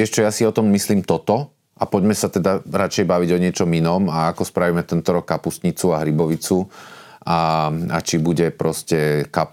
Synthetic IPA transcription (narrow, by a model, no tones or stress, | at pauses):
ɪɛʃt͡ʃɔjasiɔt̪ɔmmisliːmt̪ɔt̪ɔ | ʔapɔɟmɛsat̪ɛd̪aɾat͡ʃɛjbaʋiɟɔɲɪɛt͡ʃɔminɔːmaakɔspɾaʋimɛt̪ɛnt̪ɔɾɔkːapusɲit͡suaɦɾibɔʋit͡su | aa̰t͡ʃibuɟɛpɾɔscɛka